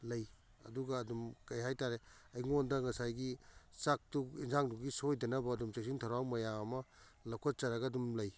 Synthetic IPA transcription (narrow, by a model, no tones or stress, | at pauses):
lɐj | ɐ̰duɡɐːdumkɐjɦajtaɾeɐjŋondɐŋɐsajɡisak̚tuinzaŋduɡisojdɐnɐbɐːdumsek̚sintʰawɾawmɐjaŋɐmɐlɐwkʰat̚t͡ʃaɾɐɡɐːdumlɐj